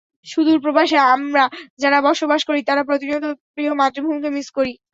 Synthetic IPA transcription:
ʃud̪uɾpɾobaʃeamɾad͡ʑaɾabɔɾʃobaʃkoɾit̪aɾapɾot̪inot̪opɾiɦomat̪ɾibʱumkemiskoɾi

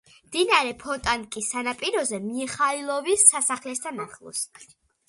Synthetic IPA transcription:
md̪̥inaɾɛpʰɔt̪ʼankʼisːanapʼiɾɔzɛmiχailˠɔvisːasaχlɛsd̪ʰanaχlˠṵs

